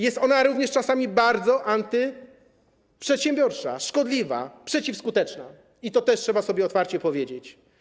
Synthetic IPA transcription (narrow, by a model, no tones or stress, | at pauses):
jɛst̪ɔnaɾuvɲɛʂt͡ʂasamʲibaɾd̪zɔʔant̪ɘ | pʂɛt̪ɕɛ̃mbʲjɔɾt͡ʂa̰ʂkɔd̪lʲiva̰pʂɛt͡ɕifskut̪ɛt͡ʂna̰ | it̪ɔt̪ɛʂtʂɛbasɔbʲjɛɔt̪faɾt͡ɕɛpɔvʲjed͡ʑet͡ɕ